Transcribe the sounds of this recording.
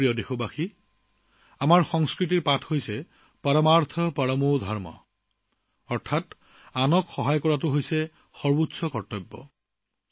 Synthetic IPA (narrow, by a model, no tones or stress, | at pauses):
ijɔdexobaxi | amaɹxɔŋskɹit̬iɹpatʰhojsɛ | paɹɔmaɹt̪ʰɔpaɹɔmodʱɔɹmɔ̰ | ɔɹtʰat | anɔkxɔɦajkɔɹatʊɦojsɛ | xɔɹbutsɔkɔtːɔjbːɔ̰